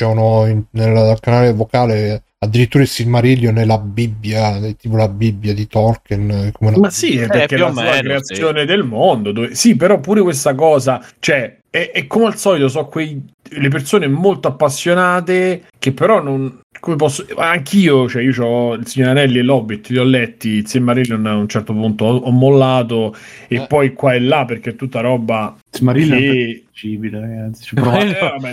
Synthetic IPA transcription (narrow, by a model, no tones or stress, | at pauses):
t͡ʃɛnoinnelkanaːlevokaːle | ad̪ːiɾit̪ːuːɾailsimaɾiljonelabibːjat̪iːpolabibːjad̪it̪ɔrkɛnkomeunamasːiɛpːeɾk̟easuakɾeat̪sːjoːned̪elmond̪od̪oːvesipːeɾɔpːuːɾekwest̪akɔːzat͡ʃoɛ | ɛʔɛkːomealsɔlit̪os̬ɔkːwejlep̬ersoːnemolt̪oapːasːjonaːt̪e | k̟epːeɾɔnːonkomep̬ɔsːoaŋkiːot͡ʃɛiot͡ʃɔilsiɲːoɾanɛlːiɛlɔbit̪ːʎjɔlːɛt̪ːisemːaɾilonaunt͡ʃɛrt̪opunt̪oɔɔmːolːaːt̪oepːɔjkwaɛlːapːerk̟et̪ːut̪ːaɾɔːba | semaɾile | t͡ʃibileɾaɡat̪si̥t͡ʃɛpɾɔɛ